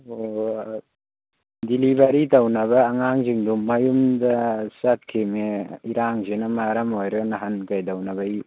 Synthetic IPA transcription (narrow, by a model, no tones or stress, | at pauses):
o | dilibaɾitawnɐbɐːŋaŋziŋdumːajumdɐsat̚kʰemeiɾaŋzenɐmaɾɐmojɾɐɡnaɦankajdawnaβaj